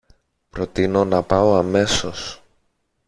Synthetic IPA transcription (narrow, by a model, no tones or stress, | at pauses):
pɾo̞t̪ino̞nɐpɐo̞ɐme̞so̞s